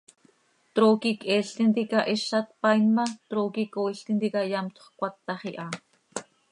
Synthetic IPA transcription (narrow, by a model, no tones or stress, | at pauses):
t̪ɾoːkikʔɛːɬt̪int̪ikɑʔɛʃɑt̪̚pɑjnmɑt̪ɾoːkikoːiɬt̪int̪ikɑjɑmt̪ʰo̥χkʷɑt̪ːɑχiʔɑ